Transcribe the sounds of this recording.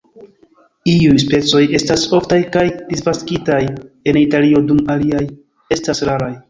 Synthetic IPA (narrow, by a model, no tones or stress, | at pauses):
iujspe̞t͡so̞je̞staso̞ftajkajd̥ispaskitaj | e̞nitalio̞dumaliaj | e̞stasɾaɾaj